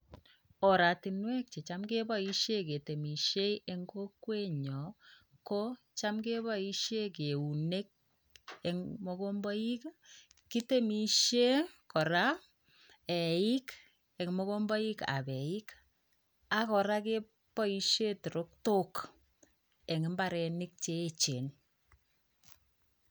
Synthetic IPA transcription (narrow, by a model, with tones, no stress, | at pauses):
ɔ˨ɾa˨ti˨nwɛ˦k̚t͡ʃe˨t͡ʃa˦mke˦bɔ˦i˦ʃe˦ke˨te˨mi˨ʃe˦je˦ŋɡo˦kwe˦ɲɔ˨ko˦ | t͡ʃa˦mke˦βɔ˦i˦ʃe˦ke˨u˨ne˦k̚ | e˨ŋmo˦ko˦mbɔ˦i˦k | ki˦te˦mi˨ʃe˦kɔ˨ɾa˦ | ɛ˨i˦k | ɛ˨kmɔ˦ko˦mbɔ˦i˦ka̰˨bɛ˨i˦k | a˨kɔ˨ɾa˦ke˦ | pɔ˦i˦ʃe˦tu˨ɾo˦k̚to˦k | e˨ŋɪ˦mba˦ɾɛ˨nɪ˦k̚t͡ʃe˦e˦t͡ʃe˨n